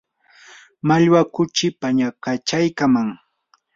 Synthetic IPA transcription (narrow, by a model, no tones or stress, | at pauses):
maʎwakʊt͡ʃɪpaɲakat͡ʃajkamaŋ